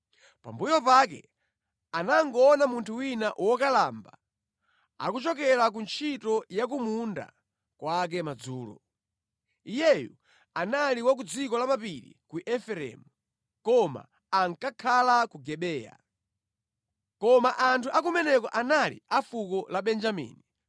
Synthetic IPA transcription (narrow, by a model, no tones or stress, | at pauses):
pa̰mbujɔpakɛ̰ | anaŋɡɔːnamuntʰuwinaʔwɔkalamba | a̰kut͡ʃɔkɛɾak̬unt͡ʃʰitɔjak̬umunda̰ | kwak̬ɛmad͡zuːlɔ̰ | ijɛju | analiwak̬ud͡zikɔlamapiɾḭkuʔɛfɛɾɛ̰mu | kɔma̰ | aŋkakʰalakuɡɛɓɛːja̰ | kɔmaʔantʰuʔak̬umɛnɛkɔʔanalḭafukɔlaɓɛnd͡ʒamḭːni